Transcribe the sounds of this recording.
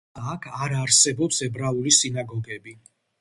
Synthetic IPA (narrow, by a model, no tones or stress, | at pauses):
akʰaɾaɾsɛbɔpsɛbɾaulisinaɡɔɡɛbi